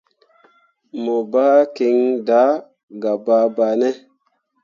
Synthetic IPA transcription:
mo˨ba˦ki˧ŋda˨˦ | ɡa˨ba˨˧ba˨ne˦

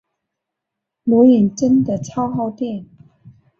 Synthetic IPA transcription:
lu˧˥i˨˩nʈ͡ʂə˥nd̪ə˨˩t͡sʰɑ˥ʊxɑ˥˧ʊt̪jɛ˥˩n

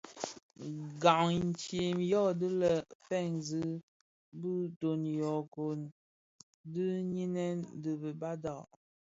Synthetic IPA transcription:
ɡa˨ŋn˨t͡ʃje˨mjɔ˦˨dɨ˦lə˨fɛ˦˨ŋzɨ˦ | bɨ˦to˨njɔ˨ko˨n | dɨ˦ɲi˦nɛ˦n˦də˨bə˨ba˦da˨ʔ

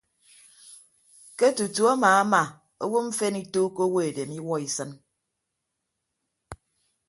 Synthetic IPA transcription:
ke˦tu˨tu˨a˦maː˨a˦ma˨ | o˦wo˦ɱ̩˦fe˦ni˦to˦ko˦wo˦e˨de˨mi˦wɔ˦i˨sɨ˦n

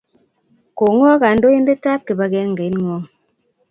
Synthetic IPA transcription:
ko˨ŋ˦ɔ˦ka˨n̩˦do˦je˦n˦de˦ta˦p̚ke˨ba˨ɡɛ˦ŋ˨ɡe˨˦nŋwɔ˦

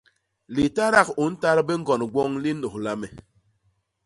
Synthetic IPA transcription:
li˨ta˦ɾa˦ku˨n̩˦ta˦ɾbe˦ŋ̩˦ɡɔ˨n˨ɡʷɔ˦ŋli˦no˨hla˦me˨

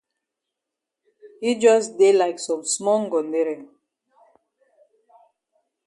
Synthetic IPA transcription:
hi˦d͡ʒɔ˦sdelaɪksɔ̃˨msmɔ˦ŋɡɔ̃˨ndeɹɛ̃˨ŋ

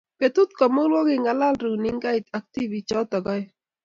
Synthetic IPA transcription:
pe˨t̪u˦t̪̚kɔ˨mo˦lwɔ˦ɡɪ˨ŋɡa˨la˦lɾu˨nɪ˦ŋɡa˦ɪ˨t̪a˨k̚t̪i˦vi˨t͡ʃɔ˦t̪ɔ˨ɡɔ˦j

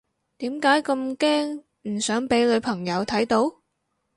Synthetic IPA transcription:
t̪iː˨˥mkaː˨˥jkɐ˧mkɛː˥ŋ | m̩˨˩sœː˨˥ŋpe˨˥jlɵ˨˧pʰɐ˨˩ŋjɐ˨˧wt̪ʰɐ˨˥jt̪o˨˥w

